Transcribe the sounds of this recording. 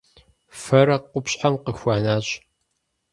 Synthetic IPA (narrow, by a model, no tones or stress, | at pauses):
fɐrɐqʷʊpɕʼħamqəxʷaːnaːɕʼ